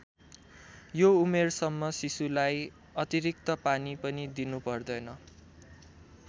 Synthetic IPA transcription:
joumersʌmːʌsisulaj | ʌt̪iɾik̚t̪ʌpanipʌnid̪inupʌrd̪ʌjnʌ

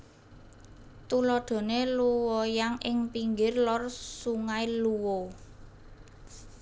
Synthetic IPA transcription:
t̪ulɔɖ̥o̤neluwɔjaŋʔɪŋpiŋɡɪrlɔrsuŋailuwo

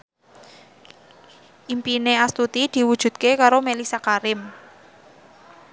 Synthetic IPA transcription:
ʔimpineast̪ut̪id̪̥i̤wud̥ʒ̥ṳd̪̚kekaɾomelisakaɾɪm

